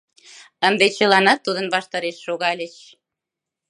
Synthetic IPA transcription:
ənd̪et͡ɕəlɑnɑt̪ːud̪ənβɑʃt̪ɑɾeʃːoɣɑlʲet͡ɕ

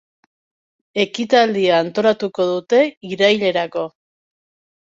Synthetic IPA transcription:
e̞kit̪ald̪iaːnt̪o̞ɾat̪uko̞ð̞ut̪e̞iɾajʎe̞ɾako̞

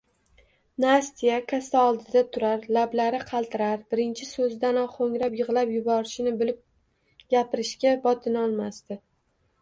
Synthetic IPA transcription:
nast̪ijakʰast̪aɒlˠd̪ɪd̪at̪ʰʊɾaɾlablaɾɪqʰɑlˠt̪ʰɪɾaɾbɪɾɪnt͡ʃʰɪsɵzd̪anɒχoŋɾapjɨʁlˠapjʊbɒɾɪʃɪnɪbɪlɪp̚ | ɡʲapɪɾɪʃkʲabɒt̪ʰɪnɒlˠmast̪ɪ

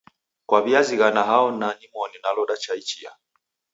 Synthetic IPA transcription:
kwaβiaziɣanaɦaɔnanimɔninalɔɗat͡ʃait͡ʃia̰

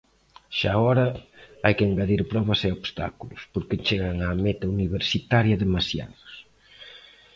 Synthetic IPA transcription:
ʃaɔɾɐajkeŋɡaðiɾpɾɔβɐsɛoβst̪a̰kulʊspoɾkɪt͡ʃeɣaŋamet̪ɐuniβeɾsit̪aɾjɐðemasja̰ðʊs

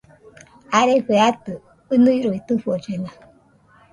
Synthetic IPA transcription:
aɾeɸeat̪ɨ | ɨnɨiɾoit̪ɨfɔd͡ʒena

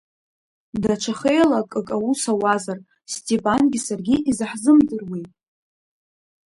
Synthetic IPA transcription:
dat͡ʃʷʰaχejlakʼɨkʼawusawazar | stʼepʼanɡʲisarɡʲiʔizɨħzɨmdɨrwi

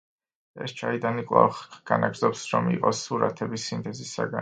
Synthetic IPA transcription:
ɛ̰st͡ʃʰaid̪anikʼlˠa̰χɡ̥anaɡɾdzɔpsɾɔmiqʼɔsuɾa̰t̪ʰɛbisint̪ʰʼɛzisa̰ɡa

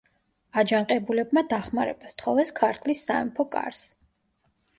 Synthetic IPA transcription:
ad͡ʒaŋqʼɛbulɛbmad̪aχmaɾɛbast̪ʰχɔvɛskʰaɾt̪ʰlisːaɛ̰mpʰɔkʼa̰ɾs

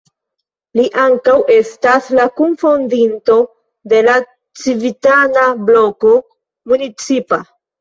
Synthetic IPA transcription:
liʔaŋkawʔe̞staslakunfondinto̞ | de̞la | t͡sivitanablo̞ko̞ | munit͡sipa

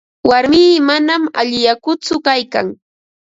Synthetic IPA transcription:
waɾmiːmanama̰ʎɪjakʊt͡sʊkajka̰ŋ

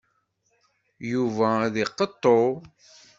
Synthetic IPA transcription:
juvæðiqːət̪ˤːo

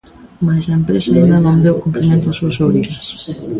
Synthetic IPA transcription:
masɐempɾesaind̪ɐnond̪ewkumpɾimẽnt̪ʊasuɐsoβɾiɣas

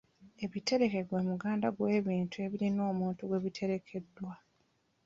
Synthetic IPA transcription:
e̞βite̞ɾe̞ke̞ɡwe̞muɡaːndaɡwe̞ːβiːntue̞βiɾino̞ːmuːntuɡwe̞βitʰe̞ɾe̞kʰe̞dːwa

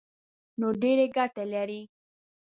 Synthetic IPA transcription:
noɖeɾeɡaʈalaɾi

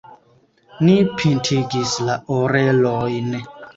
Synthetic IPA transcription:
nipʰintʰiɡislaoɾelojn

